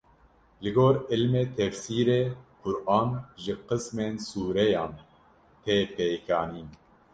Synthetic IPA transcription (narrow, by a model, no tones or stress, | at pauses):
lɨɡoːɾɨlmeːt̪ʰɛfsiːɾeːkʰʊɾʔɑːnʒɨqɨsmeːnsuːɾɛjɑːn | t̪ʰeːpekʰɑːniːn